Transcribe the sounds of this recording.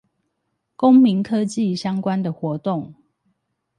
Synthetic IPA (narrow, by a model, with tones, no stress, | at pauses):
ko˦ŋmi˨˦ŋkʰɤ˦t͡ɕi˥˨ɕjɑ˦ŋkwa˦nd̪ə˨xwɔ˨˦t̪o˥˨ŋ